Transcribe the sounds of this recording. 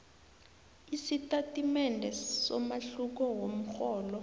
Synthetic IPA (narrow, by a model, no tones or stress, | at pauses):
isitʼatʼimɛndʱɛsɔ̰maɬuk̬ɔwom̩xɔːlɔ